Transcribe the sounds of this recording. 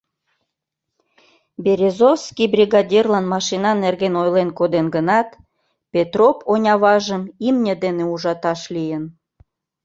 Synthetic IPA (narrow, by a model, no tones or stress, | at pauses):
beɾʲezofskibrʲiɣɑdʲirlɑnmɑʃinɑnːerɣenojlenkod̪enɡənɑt̪ | pʲet̪roponʲɑβɑʒəmimnʲəd̪eneuʒɑt̪ɑʃlijən